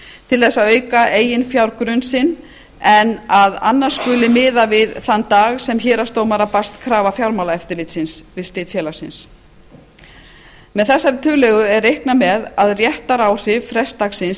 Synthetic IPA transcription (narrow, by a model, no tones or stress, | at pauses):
t̪ʰɪlθɛsːaðœːɥkaʔeːjɪnfjawɾkɾʏnsɪn | ɛnaða̰nːḁskʏlɪmɪːðavɪðθant̪aːɣsɛmçɛːɾast̪oːwmaɾapast̪kʰɾaːvafjawɾmawlaɛft̪ɪɾlɪt̪sɪnsvɪðst̪ɪːt̪fjɛːlasɪns | mɛðθɛsːaɾɪt̪ʰʏːɣlɛɣʏɛrːejhknamɛðaðrjɛht̪aɾaːwr̥ɪvfɾɛst̪axsɪns